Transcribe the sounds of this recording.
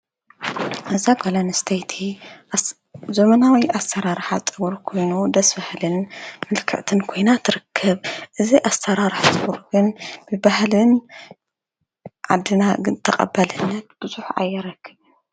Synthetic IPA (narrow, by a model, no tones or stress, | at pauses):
ʔɐzaɡolanɨst̪ʰejt̪ʰi | zomɐnawiʔasɐɾaɾħat͡sʼɨɡuɾkʰo̞jnud̪ɐsbɐhlɨnmɨlkʰɨ̰ʕt̪ʰɨnkʰo̞jnat̪ʰɨɾɨkʰːɐβʔɨziʔasːɐɾaɾɨħt̪ʼɨɡuɾɡɨnb̥ɨbahlɨn | ʕad̪ːɨnaɡɨnt̪ʰɐqʼɐ̰bɐlɨnːɐt̪̚b̥ɨzʼuħa̰jːɪɾɐkʰːɨβɨn